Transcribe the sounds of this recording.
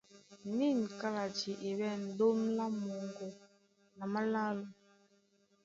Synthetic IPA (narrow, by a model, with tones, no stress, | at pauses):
ni˦˨n˨ka˦la˨d͡ʒi˨ʔe˨wɛ˦˨n̩˨do˦mla˦mo˨ŋ˨ɡo˨ | na˨ma˦la˦lo˨